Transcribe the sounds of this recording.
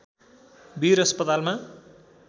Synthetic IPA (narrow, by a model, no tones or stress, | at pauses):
biɾʌspʌt̪alma